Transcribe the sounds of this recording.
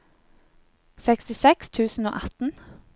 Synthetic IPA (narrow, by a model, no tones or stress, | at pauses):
sɛkst̪ɪsɛkst̪ʰʉːsn̩o̰ːʔɑt̪n̩